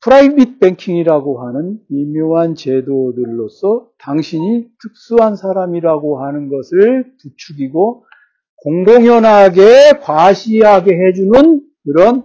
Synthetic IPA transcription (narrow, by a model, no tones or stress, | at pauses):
pʰɯɾaibit̚pe̞ŋkʰiŋiɾaɡoɦanɯnimjoŋɦant͡ɕe̞dodɯɭːosʰʌtaŋɕʰiɲit͡ɕʰuk̚s͈uɦansʰaɾamiɾaɡoɦanɯnɡʌsʰɯɭtut͡ɕʰuɡiɡo | koŋɡoŋjʌnɦaɡe̞kwaɕʰiɦaɡe̞ɦe̞d͡ʑunɯnkɯɾʌn